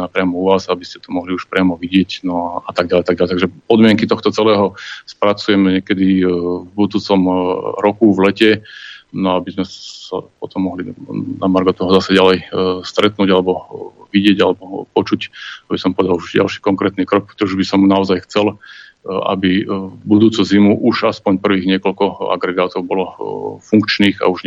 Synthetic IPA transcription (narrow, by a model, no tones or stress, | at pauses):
apɾɪamɔuʋaːzabiscɛ̥t̪ɔmɔɦliuʃpɾɪamɔʋiɟɪɛcnɔat̪aɡɟalɛjat̪aɡɟalɛjt̪aɡʒɛpɔd̪mɪɛŋkit̪ɔxt̪ɔt͡sɛlɛːɦɔspɾat͡sujɛmɛɲɪɛkɛd̪ivbud̪uːt͡sɔmɾɔkuʋlɛcɛnɔabizmɛa̰pɔt̪ɔmːɔɦlinamaɾɡɔt̪ɔɦɔzasɛɟalɛjst̪ɾɛt̪nuːɟalɛbɔʋiɟɪɛɟalɛbɔpɔt͡ʃucabisɔmpɔʋɛd̪aluʒɟa̰lʃiːkɔŋkɾɛːt̪niːkɾɔk̚pt̪ɔuʒbisɔmnaɔzajxt͡sɛl | a̰bibud̪uːt͡sɔzimuʔuʒaspɔɲpr̩ʋiːɣɲɪɛkɔlkɔa̰ɡɾɛɡaːt̪ɔʊbɔlɔfuŋkt͡ʃniːɣa̰uʒɲ